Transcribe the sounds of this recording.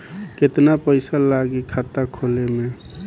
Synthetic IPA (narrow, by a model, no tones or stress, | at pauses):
ket̪napəɪsalaɡikʰat̪akʰolemẽ